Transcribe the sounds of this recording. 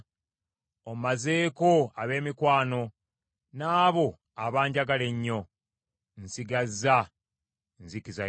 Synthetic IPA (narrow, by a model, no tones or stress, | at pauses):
ommaze̞ːko̞aβe̞ːmikwaːno̞ | naːβo̞ | aβaːɲɟaɡale̞ɲːo̞ | nsiɡazːa | nzikiza